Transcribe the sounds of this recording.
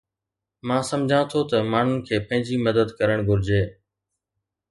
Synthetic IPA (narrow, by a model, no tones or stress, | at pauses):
mãːsɐmd͡ʑʱãt̪ʰot̪ɐmaːn̤ʊnɪ̆kʰeːpɐ̃ɦɪ̃ɲd͡ʑiməd̪əd̪kɐɾəɽ̃ɡʱʊɾɪd͡ʑeː